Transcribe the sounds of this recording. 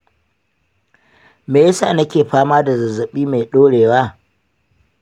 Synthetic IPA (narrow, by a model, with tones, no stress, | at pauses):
meː˨jɐ˦sa̰˨nɐ˦kʲeː˨ɸaː˦maː˦da˨zɐ˨zɐ˨ɓiː˦me˨ɗoː˦ɽeː˨waː˦